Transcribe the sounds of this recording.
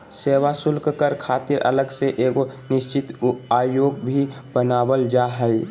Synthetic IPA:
seːwasʊlkkəɾkʰaːt̪ɪɾʔə̰ləɡseʔeːkonɪst͡ʃɪt̪aːjoːɡ̚bʱi | bənaːwəld͡ʒaːɦɛi

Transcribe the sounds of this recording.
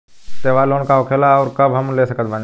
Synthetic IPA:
t̪eːʋaːloːnkaɦoːkʰeːlaɔːɾkɐbɦɐmleːsɐkət̪baːn

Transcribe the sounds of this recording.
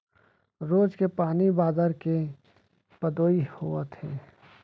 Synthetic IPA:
ɾoːd͡ʒkepaːnibaːd̪əɾke | pəd̪oːihuət̪ʰeː

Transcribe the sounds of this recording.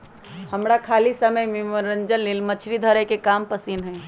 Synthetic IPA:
hɐmɾakʰaːlisəməjmemɾə̃ɲd͡ʒənlɪlmɐt͡ʃʰɾid̪ʱəɾɛkekaːmpɐsinɦɛ̃ː

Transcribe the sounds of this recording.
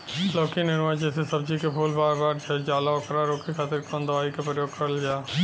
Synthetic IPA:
loːkinɪnʋaːd͡ʒesesəb̚d͡ʒikepʰuːlbaːɾbaːɾd͡ʒəd͡ʒaːlaokɾaɾoːkikʰaːt̪ɪɾkə̃nd̪əʋaːikepɾəjoːɡ̚kəɾəld͡ʒaː

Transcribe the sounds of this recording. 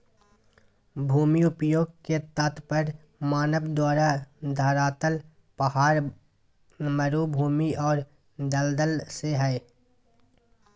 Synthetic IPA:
bʱuːmiʊpjoːɡ̚ket̪ət̪pəɾ | maːnəbd̪waːɾad̪ʱaːɾaːt̪əl | pəɦaːɾ | məɾubʱuːmiɔːɾ | d̪əld̪əlseɦɛː

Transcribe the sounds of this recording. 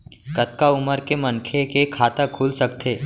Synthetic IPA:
kət̪̚kaʊməɾkemɐ̃nkʰekekʰaːt̪akʰuːlsɐkt̪ʰeː

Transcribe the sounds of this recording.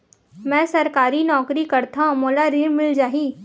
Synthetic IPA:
mɛ̃ːsɐɾkaːɾinɔːkɾikɐɾt̪aɦmoːlaɾiːɾmɪld͡ʒaːɦiː

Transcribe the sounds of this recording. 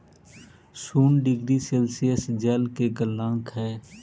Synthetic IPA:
suːnɖɪɡɾiselsijəsd͡ʒɛːlkeɡəlːãːŋkɦɛː

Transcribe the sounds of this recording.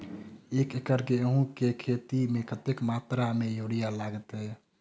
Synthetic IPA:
eːkekəɾkeɦũkekʰeːt̪imẽkət̪ekmaːt̪ɾamẽjoːɽijalaːɡət̪ɦɛ

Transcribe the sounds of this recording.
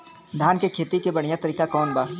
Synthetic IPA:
d̪ʱaːnkekʰeːt̪ikebɐɽ̤̃ijat̪ɐɾiːkakɔːnbaː

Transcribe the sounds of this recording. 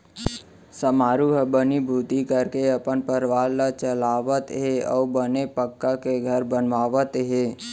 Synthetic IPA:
səmaːɾuɦəbənibʱuːt̪ikəɾkeəpənpəɾʋaːlːat͡ʃəlaːʋət̪ɦeɔ̰ːbənepəkːakeɡʱəɾbənʋaːʋət̪ɦeː

